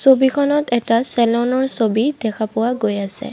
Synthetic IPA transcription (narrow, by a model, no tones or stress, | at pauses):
sobikʰɔnɔtɛtasɛlɔnɔɹsobidɛkʰapʊwaɡojasɛ̰